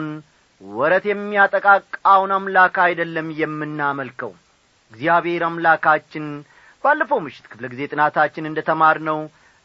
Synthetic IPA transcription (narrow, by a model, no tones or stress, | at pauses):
n | wɔɾət̪jɛmːijat̪ʼəkʼakʼawunamlakajd̪əlːəmjɛmːɨnːaməlkʰəw | ɨɡzijaβhe̞ɾamlakʰat͡ʃːɪn | balːəfəwmɨʃːɪ̥t̪kʰɨfləɡize̞t̪ʼɨnat̪ʰat͡ʃːɪnɨnd̪ət̪ʰəmaɾnəw